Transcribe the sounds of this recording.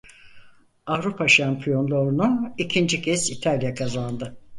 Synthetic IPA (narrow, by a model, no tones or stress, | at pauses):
avɾupʰaʃampʰijo̞nlˠoɾunuicʰind͡ʒicʰɛsit̪ʰalʲjakʰazand̪ɯ